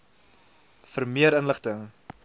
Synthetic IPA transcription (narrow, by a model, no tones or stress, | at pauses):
fərmiəɾənləχtəŋ